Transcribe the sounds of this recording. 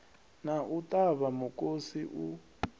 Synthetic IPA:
naʔutʼaβamukʼosiʔu

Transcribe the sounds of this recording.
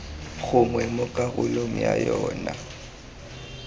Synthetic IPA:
ɣʊmwɛmʊkʼaɣʊloŋ̩ja̰jɔːna

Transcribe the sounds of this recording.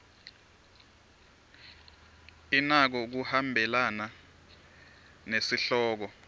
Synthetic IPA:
inak̬ɔk̬uhambʱɛlana | nesiɬɔːk̬ɔ

